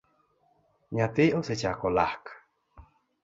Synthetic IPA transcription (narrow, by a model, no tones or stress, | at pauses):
ɲãt̪ioset͡ʃakola̰k